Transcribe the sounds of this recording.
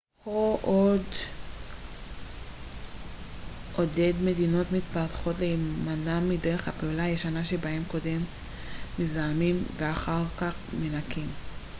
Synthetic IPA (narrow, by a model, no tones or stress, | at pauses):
hoʔo̞d | ʔo̞de̞dme̞dino̞tmit̪paʁt̪χo̞tlejemanamːideʁeχhapeulajeʃanaʃebahe̞mko̞de̞mː | izaamimveaχaʁkaχmenakim